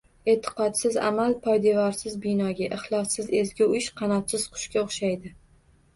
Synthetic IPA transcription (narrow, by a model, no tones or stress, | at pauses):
e̞t̪ʰːɪ̥qɒt̪sɪza̰malˠpʰɒjd̪evɒɾsɪzbɪnɒɡʲaʔɪχlˠɒsːɪze̞zɡʲɪʊɪʃqʰɑnɒt̪sɪz̥qʰʊ̥ʃkʲaoχʃajd̪ɪ